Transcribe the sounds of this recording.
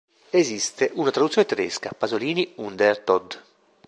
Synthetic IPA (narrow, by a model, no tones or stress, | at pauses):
ezist̪eʔunat̪ɾadut̪sjonet̪ed̪ɛ̰skapazoliːniund̪ert̪ɔd̪